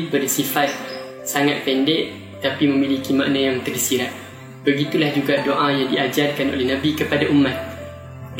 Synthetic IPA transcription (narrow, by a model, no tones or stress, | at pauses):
bərsifat̪̚ | saŋat̪̚pɛndɛʔ | t̪apimə̃milikima̰ʔnajaŋt̪ərsiɾat̪̚ | bəɡit̪ulahd͡ʒuɡadoʔajaŋdiad͡ʒarkano̰lɛhnãbikəpadaʔumːat̪̚